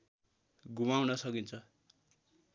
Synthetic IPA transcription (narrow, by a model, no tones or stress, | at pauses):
ɡumawnʌsʌkint͡sʰʌ